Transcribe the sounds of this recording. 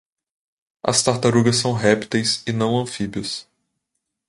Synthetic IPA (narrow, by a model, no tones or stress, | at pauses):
ɐ̰st̪aɾt̪aɾuɡɐs̬ːɐ̃w̃ɦɛpi̥t̪ejsɪnɐ̃w̃ɐ̃fibiɐs